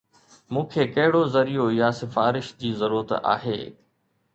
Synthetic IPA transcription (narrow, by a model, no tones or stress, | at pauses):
mũːkʰeːkɐɦɪɽozɐɾijojasɪfaːɾɪʃd͡ʑiːzɐɾuːɾət̪a̰ːɦḛː